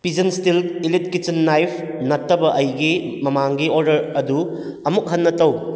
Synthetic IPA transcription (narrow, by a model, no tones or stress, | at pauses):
pizɐnstililit̚kit͡ʃɐnːajpʰ | nɐtːɐbɐʔɐjɡimɐmaŋɡioɾdɐɾɐdu | ɐmuk̚ɦɐnːɐtɐw